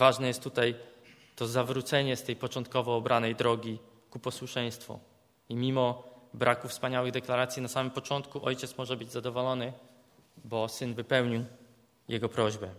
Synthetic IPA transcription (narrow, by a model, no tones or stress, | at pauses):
vaʐnɛjɛst̪ːut̪aj | t̪ɔzavɾut̪sɛɲɛst̪ɛjpɔt͡ʂɔnt̪̚kɔvɔːbɾʔanɛjd̪ɾɔɡʲi | kupɔswuʂɛj̃st̪fṵ | imʲimɔbɾʔakufspaɲawɘɣd̪ɛklaɾat̪sʲjinasamɘmpɔt͡ʂɔnt̪kuʔɔjt͡ɕɛt̪smɔʐɛbɘd͡ʑzad̪ɔvɔlɔnɘ | bɔsɘnvɘpɛwɲiw | jɛɡɔpɾɔʑbɛ